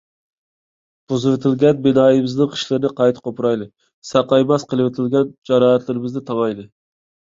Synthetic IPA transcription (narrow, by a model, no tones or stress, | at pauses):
b̥ozɨwɪt̪ʰɪlɡʲɛnbɪnɑːjɪbɪznɪŋqʰə̥ʃlˠɨɾɨnɨqʰɑjt̪qʰopɾɑjlˠɨ | sɑqɑjmɛsqəlˠɨwɪt̪ʰɪlɡʲɛnd͡ʒɑɾɑːɦæt̪lɪɾɪmɪzd̪ɪt̪ʰɑmɑjlˠɨ